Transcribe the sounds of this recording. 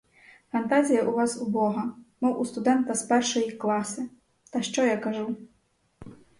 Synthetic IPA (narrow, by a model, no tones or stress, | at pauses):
fɐnt̪azʲijɐʔuvasubɔɣɐmɔwʔust̪ud̪ɛnt̪ɐspɛrʂɐjiklˠasɨ | t̪ɐʂt͡ʂɔjakaʐu